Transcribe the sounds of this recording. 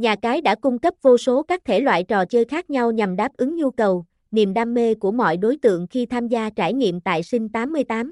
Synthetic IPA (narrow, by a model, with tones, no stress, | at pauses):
ɲaː˨˩kaː˨˦jɗa̰ː˧˥kʊ˧ŋ͡mkə˦˥p̚vo˧so˨˦kaː˦˥k̚t̪ʰe˧˩lwa̰ː˧˨jt͡ɕɔ˨˩t͡ɕəː˧jxaː˦˥k̚ɲa˧wɲa˨˩mɗaː˦˥p̚ʔɨ˨˦ŋɲu˧kə˨˩w | nḭ˨˧˨əmɗaː˧mːe˧ku˧˩əmɔ̰˧˨jɗo˨˦jt̪ɨ̰˧˨əŋxi˧t̪ʰaː˧mzaː˧t͡ɕaː˧˩jɲḭ˧˨əmt̪a̰ː˧˨jsï˧ŋ̟t̪aː˨˦mːɨ˧əjt̪aː˨˦m